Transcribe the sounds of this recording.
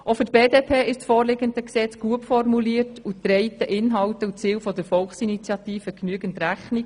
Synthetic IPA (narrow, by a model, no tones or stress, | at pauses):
ofʏtb̥eːdeːpʰeːɪʃsfoːɾlɪɡəndəksɛt͡sɡ̥uətfɔrmuliːərtud̥̪ɾɛɪt̪əʔɪnɦɑwtəut͡siːlfɔdəɾfɔlχsinit͡sjɑtiːfəknyəɡənt̪ɾæχnik